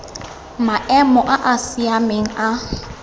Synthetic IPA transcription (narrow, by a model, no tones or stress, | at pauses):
maʔɛmɔʔaʔasiameŋ̩a